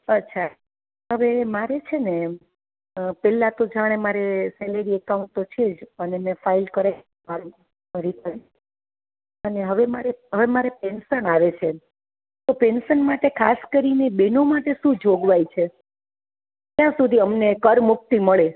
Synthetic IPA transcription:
ətːʃʰa | ɦəʋemaɾet͡ʃʰene | pɛlãt̪od͡ʒaɽ̃emaɾesɛləɾiɛkauɳʈt̪ot͡ʃʰed͡ʒənemɛ̃failkəɾe | aɾ | əɾit̪əɾi | əneɦəʋemaɾeɦəʋemaɾepensənaʋet͡ʃʰe | t̪opensənmaʈekʰaskəɾinebinomaʈeʃũd͡ʒʱoɡʋajt͡ʃʰe | t̪jãsud̪ʱiəmnekəɾmuk̚t̪iməɭe

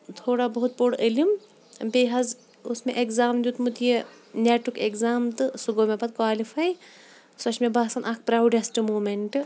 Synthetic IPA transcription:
t̪ʰoːɽabɐɦut̪̚boɽilim | beːɦɐz | ʊsmẽʔekzaːmd̪ut̪mut̪ʰje | nʲeːʈukekzaːmt̪ɨsuɡomẽbɐt̪̚kwaːlifaːj | sɐt͡ʃʰmẽbaːsɐnʔak̚pɾaːwɖesʈmoːmeɳʈ

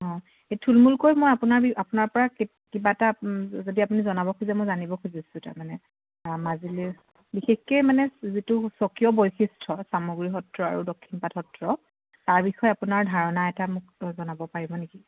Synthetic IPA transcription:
ɦɔ̃ | etʰulmulkojmojapunaɹbiapunaɹpɔɹak | kibaɛtazodiapunizɔnabɔkʰozɛmɔjzanibɔkʰozisʊ̃ta̰ɹmanɛ | mazili | bixexkejmanɛzitusɔkijɔbojxistʰɔsamuɡɹiɦɔtɹɔa̰ɹudokʰːinpatʰɔtɹɔ | taɹbixɔɛapunaɹdʱaɹɔnaɛtamʊk̚zɔnabɔpaɹibɔneki

